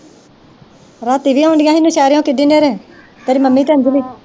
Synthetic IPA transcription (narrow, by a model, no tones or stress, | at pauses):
ɾaːt̪iːʋiːaːʊɳɖɪjãːɦinũːʃɛːɾjõːkɪdiːneːɾẽː | t̪eːɾiːməmːiːt̪eːnd͡ʒʋiː